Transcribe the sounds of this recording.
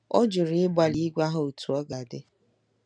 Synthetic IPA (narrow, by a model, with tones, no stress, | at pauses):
ɔ˦d͡ʒʊ˨ɾɪ˨˦ɪ˦ba˨li˦ɡʷa˦ɦʊ˨o˨tu˨ɔ˦ɡa˨dɪ˦